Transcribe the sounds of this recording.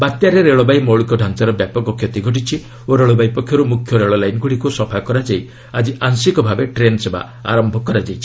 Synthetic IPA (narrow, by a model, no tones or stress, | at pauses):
bat̪jaɾeɾeɭɔbajmɔwɭikɔɖʱant͡ʃaɾɔbjapɔkɔkʰjɔt̪iɡʱɔʈ̬it͡ʃʰi | oɾeɭɔbajpɔkʰjɔɾumukʰːjɔɾeɭɔlajnɡuɽikusɔpʰakɔɾad͡ʒaj | ad͡ʒiʔansikɔbʱabeʈɾenseba̰ | a̰ɾɔmbʱɔkːɔɾad͡ʒajt͡ʃʰi̥